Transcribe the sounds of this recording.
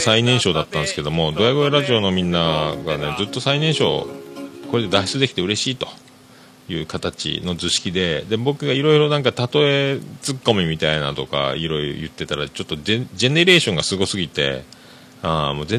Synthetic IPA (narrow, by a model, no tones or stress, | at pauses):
sainẽ̞ɰ̃ɕo̞ːd̪at̪ːãnsɨ̥ked̪o̞mo̞d̪o̞jaɡo̞eɾaʑio̞no̞mʲĩnːaɡane̞d͡zɨt̪ːo̞sainẽ̞ɰ̃ɕo̞̰ːko̞ɾe̞d̪e̞d̪aɕi̥t͡sɨd̪e̞kʲi̥t̪eɯ̟ɾe̞ɕiːt̪o̞̥ | jɯ̟ːkat̪at͡ɕḭno̞d͡zɨɕi̥kʲid̪e̞d̪ebo̞kɯ̟ɡaiɾo̞iɾo̞nãŋkat̪at̪o̞e̞t͡sɨkːo̞mʲimʲit̪aina̰t̪o̞ka̰iɾo̞iɾo̰jɯ̟t̪ːe̞t̪aɾat͡ɕo̞t̪ːod͡ʑe̞ne̞ɾe̞ːɕõ̞ŋɡasɨɡo̞sɨɡʲit̪e̞̰ | amo̞ːzẽ